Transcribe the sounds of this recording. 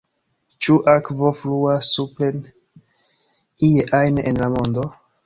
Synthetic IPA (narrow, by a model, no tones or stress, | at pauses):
t͡ʃuʔakvo̞fluasuplen | ijeʔajnḛnlamo̞ndo̞